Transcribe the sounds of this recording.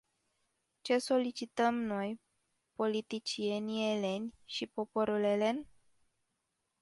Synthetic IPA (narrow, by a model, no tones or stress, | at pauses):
t͡ʃe̞so̞lit͡ʃit̪əmno̞j | po̞lit̪it͡ʃie̞nie̞le̞nʲʃipo̞po̞ɾulele̞n